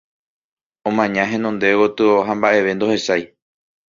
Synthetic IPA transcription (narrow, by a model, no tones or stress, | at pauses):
õmãɲãɦẽ̞nõnd̪ewot̪ɨoɦãmbaʔe̞ʋe̞nd̪ohe̞saj